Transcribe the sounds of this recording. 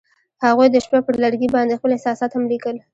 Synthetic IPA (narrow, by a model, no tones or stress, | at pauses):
haɣujd̪əʃpapəɾlaɽɡibɑnd̪expəlɪsɑsɑt̪hamlikəl